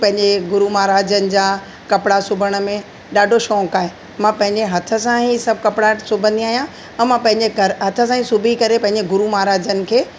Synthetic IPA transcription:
pɐ̃ɦɪ̃ɲd͡ʑeɡʊɾumaːɾaːd͡ʑənɪ̆d͡ʑãː | kɐpɽasʊbʱəɽ̃ə̆mẽ | ɗaːɖʱoʃɔ̃ːkaːɦe | mãpɐ̃ɦɪ̃ɲd͡ʑeɦɐt̪ʰə̆sãɦisɐb̚ʱkɐpɽasʊbʱə̃nd̪iaːɦijã | ɛ̃mãpɐ̃ɦɪ̃ɲd͡ʑeɐɾɦɐt̪ʰə̆s̬ãːĩsʊbʱikɐɾepɐ̃ɦɪ̃ɲd͡ʑeɡʊɾumaːɾaːd͡ʑənɪ̆kʰeː

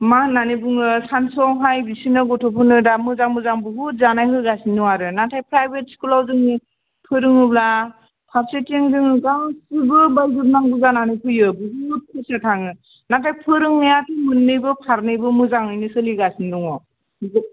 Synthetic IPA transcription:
mananɯbɯŋɯsansɔŋɦajbisinɯɡɔtʰɔpʰɯnɯdamɯzaŋmɯzaŋbɯɦut̚zanajɦɯjɡasinːɯwaɾɯnatʰajpʰɾajbet̚skulawzɯŋɯ | pʰɯɾɯŋɯbla | pʰaɾsetiŋzɯŋɯɡasɯbɯbajzup̚naŋbɯzananɯjpʰɯjɯbɯɦut̚kʰɯsatʰaŋɯ | natʰajpʰɯɾɯŋnajatʰɯmɯnːɯjbɯpʰaɾnɯjbɯmɯzaŋɯjnɯsɯliɡasindɔŋɔ

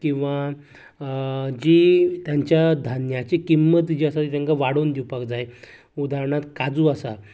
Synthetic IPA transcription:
kĩw̃ʋa | d͡ʑit̪jaɲt͡ɕjad̪ʱanjat͡ɕekimːət̪d͡ʑiasat̪it̪jaŋkaʋaɽond̪iwpakd͡zaj | ud̪aɾɳat̪kad͡zuːasa

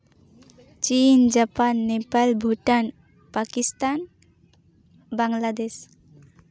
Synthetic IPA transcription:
t͡ʃind͡ʒapanːepalbʱuʈan | pakist̪an | baŋlad̪es

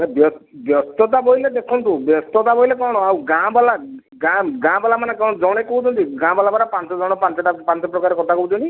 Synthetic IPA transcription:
mɛbjɔbjɔst̪ɔt̪̬abɔiled̪ekʰɔnt̪ubjɔst̪ɔt̪abɔilekɔɽ̃ɔawɡãbala | ɡaɡãbalamanekɔ̃ɔd͡ʒɔɽ̃ekɔɦut̪ʰɔnt̪iɡãbalabaɾapant͡ʃɔd͡ʒɔɽ̃ɔpant͡ʃɔʈapant͡ʃɔpɾɔkaɾekɔʈ̪ʰakɔut̪ʰɔnt̪i

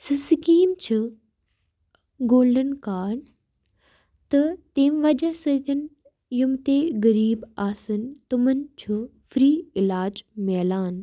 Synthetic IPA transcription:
sɪsɪkiːmt͡ɕʰu | ɡoːlɖənkaːɽ | t̪ɐt̪ẽːmʋɐd͡ʒɐsɐt̪ʰən | jʊmt̪eːɣɐɾiːbaːsənt̪ʊmənɪ̆t͡ɕʰufɾiːɪlaːd͡ʑmɛːlaːn

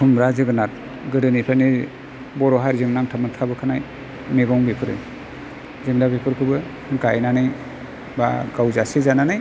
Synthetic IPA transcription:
kʰumbɾazɯɡɯnat̚ | ɡɯdɯnipʰani | bɔɾɔɦaɾzɯŋnaŋtʰamɯntʰabɯkʰanaj | meɡɔŋbipʰɯɾɯ̰j | zɯŋdabipʰɯɾkʰɯbɯ | ɡajnanɯj | ba̰ɡawzasizananɯj

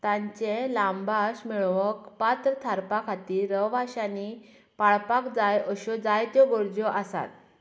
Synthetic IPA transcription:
t̪ãɲt͡ɕelambaɕmiɭʋəkpat̪ɾət̪ʰaɾpakʰat̪iːɾəʋʋaɕani | paɭpakd͡zajəɕɔd͡zajt̪jɔɡoɾd͡ʑɔʔasa̰t̪̚

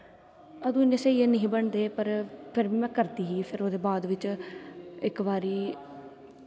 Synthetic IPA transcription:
əd̪ũːneːseːieːnəĩːbəɳd̪eːpəɾpʰɪɾbiːmɛ̃ːkəɾt̪iːɦiːpʰɪɾoːd̪eːbaːd̪ʋɪt͡ʃ | ɪkʋaːɾiː

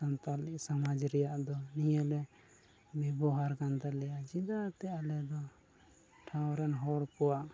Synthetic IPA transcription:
ant̪aliksamad͡ʒɾɛjaʔd̪ɔnijɛlɛ | bɛbɔɦaɾɡand̪alɛjaʔd͡ʒid̪at̪ɛalɛd̪ɔ | ʈʰãwɾɛnɦɔɽkɔwaʔ

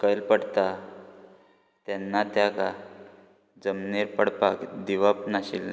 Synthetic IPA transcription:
kəjlpəɽt̪a | t̪janːat̪jaka | d͡zəmneɾpəɽpakd̪iʋap̚naɕḭl

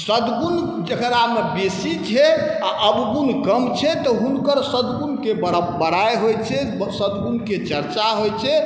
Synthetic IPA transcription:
səd̪ɡun | d͡ʒəkɾamebesit͡ʃʰɛaʔəbɡunkəmt͡ʃʰɛt̪ɔɦunkəɾsəd̪ɡunkebəbəɾajɦojt͡ʃʰɛ | səd̪ɡunket͡ʃəɾt͡ʃaɦojt͡ʃʰɛ

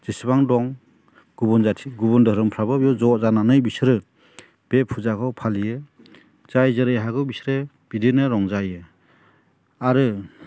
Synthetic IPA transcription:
zisibaŋdɔŋ | ɡ̥ubɔnzatʰiɡubɔndɯɾɯmpʰɾabɯbjɔzɔzananɯjbisɾɯ | b̥epʰuzakʰɔwpʰalijɯ | z̥ajzɯɾɯjɦaɡɯwbisɾɯ | b̥idinɯɾɔŋzajɯ | aɾɯ

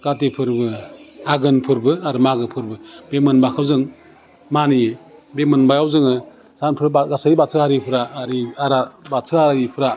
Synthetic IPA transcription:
ɡ̥atepʰɯɾbɯaɡɯnpʰɯɾbɯaɾɯmaɡɯpʰɯɾbɯbemɯnbakʰawzɯŋ | manibemɯnbajawzɯŋɯ | sanpʰɯɾaɡasaibatʰɯhaɾipʰɯɾaːɾiaɾabatʰɯaipʰɯɾa

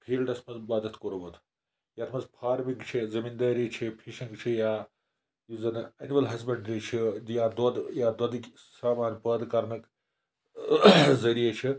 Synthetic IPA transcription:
pʰiːlɖɐsmɐzbaːd̪ɐt̪koɾubɐt̪ʰ | jaːt̪ʰmɐzpʰaːɾmiŋɡt͡ʃʰizɐmind̪aːɾit͡ʃʰipʰiʃĩŋɡt͡ʃʰija | juzɐnɐnimɐlɦɐsbɐɳɖɾit͡ʃʰijad̪od̪jaːd̪ɐd̪k | saːmaːnpɐd̪kɐɾnɐk | zɐɾijet͡ʃʰi

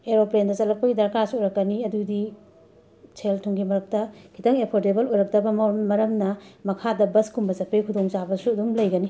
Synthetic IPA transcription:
eɾoplendɐt͡ʃɐlɐk̚pɐɡidɐɾkasuɔjɾɐkːɐniɐdudi | t͡ʃʰeltʰuŋɡimɐɾɐk̚tɐkʰitɐŋepʰoɾtebɐlojɾɐk̚tɐbɐmɐɾɐmnɐmɐkʰadɐbɐskumbɐsɐpejkʰudoŋt͡ʃabɐsuɐdumlɐjɡɐni

